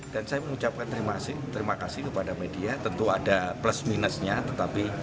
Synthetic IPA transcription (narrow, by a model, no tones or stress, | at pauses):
d̥ansajaməŋut͡ʃap̚kant̪əɾimasɪht̪əɾimakasɪhkəpadamediat̪ənt̪uadapləsminəsɲat̪ət̪api